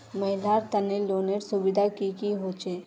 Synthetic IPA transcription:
mɐɦɪlaːɾt̪ɐneloːneɾsʊbɪd̪ʱakikiɦoːt͡ʃeː

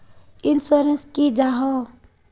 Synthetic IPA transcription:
insuɾenskid͡ʒaɦɔ

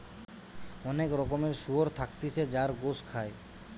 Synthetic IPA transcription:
ɔnekɾɔkomeɾʃuɦoɾt̪ʰakt̪it͡ɕʰed͡ʑaɾɡoskʰae

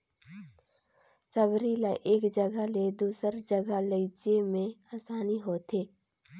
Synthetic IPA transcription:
səbɾiːlaʔeːkd͡ʒəɡəled̪uːsəɾd͡ʒəɡələɪt͡ʃemẽaːsaːniɦoːt̪ʰeː

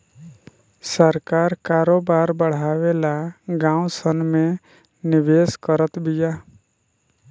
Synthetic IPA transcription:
səɾkaːɾkaːɾoːbaːɾbəɽ̤aːʋeːlaɡãːʊ̃sənmẽ | nɪʋeːskəɾət̪bɪjaː

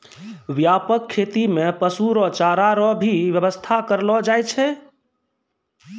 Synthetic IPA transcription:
ʋjapəkʰːet̪imepəsuɾɔt͡ʃaɾaɾɔbʱiʋjəbəst̪ʰakəɾlɔd͡ʒajt͡ʃʰɛ

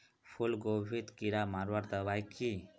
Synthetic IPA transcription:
pʰulɡobʱit̪kiɾamaɾwaɾd̪əbajkʰi

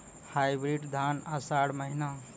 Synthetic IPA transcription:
hajbɾiɖd̪ʱaːnəsaɽməɦina

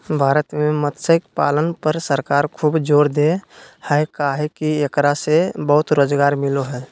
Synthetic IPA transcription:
bʱaːɾət̪memət̪səkpaːlənpəɾsəɾkaːɾkʰuːbd͡ʒoːɾd̪ehɛkaɦekiekɾasebəɦʊt̪ɾoːd͡ʒɡaːɾmɪloɦɛː

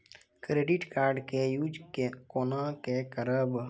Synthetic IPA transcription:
kɾeːɖɪʈkaːɾɖkejuːd͡ʒkkoːnãkekəɾəb

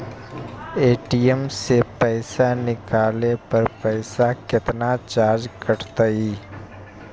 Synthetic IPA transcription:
eːʈijəmsepəɪsanɪkaːlepɐɾpəɪsakɪt̪nat͡ʃaːɾd͡ʒkəʈt̪aiː

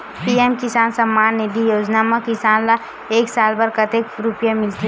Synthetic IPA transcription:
piɛmkɪsaːnsɐmːaːnːed̪ijoːd͡ʒnaːmakɪsaːnla | eːksaːlbɐɾkɐt̪eːkɾʊpjamɪlt̪i

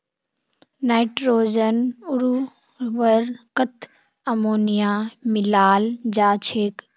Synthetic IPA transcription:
naːɪʈɾoːd͡ʒənʊɾu | ʋəɾkət̪ʰ | ɐmoːnijaːmɪlaːld͡ʑaːt͡ʃʰeːk

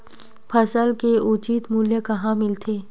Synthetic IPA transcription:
pʰɐsəlkeut͡ʃiːt̪muːljəkɐɦãmɪlt̪ʰeː

